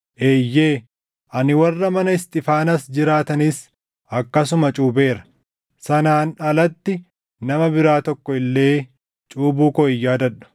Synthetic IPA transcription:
ʔeːjːe̞ː | ʔɐnɪwɐrːɐmɐnɐɪst̪ɪfaːnɐsd͡ʒɪɾaːt̪ɐnis | ʔɐkːɐs̬ʊmɐt͡ʃʼuːbe̞ːɾɐ̥ | sɐnaːnɐlɐt̪ːɪ | nɐmɐbɪɾaːt̪ɔkːɔɪlːe̞ː | t͡ʃʼuːbuːkɔɪjːaːd̪ɐᶑɐ̥

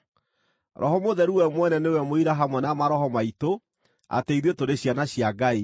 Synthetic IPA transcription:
ɾɔɦɔmoðɛɾuwɛmwɛnɛnewɛmoiɾaɦamwɛnamaɾɔhɔmaito | a̰teiɾetoɾeɕjanaɕjaɡai

